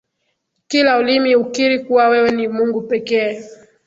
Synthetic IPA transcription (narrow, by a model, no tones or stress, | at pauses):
kilaulimiukiɾikuwawɛwɛnimuŋɡupɛkɛː